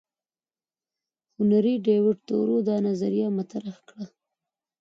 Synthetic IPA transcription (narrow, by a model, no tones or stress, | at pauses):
hʊnaɾiɖewɪʈ̚t̪o̰ɾod̪ɑnazaɾijɑmat̪aɾaxkɽa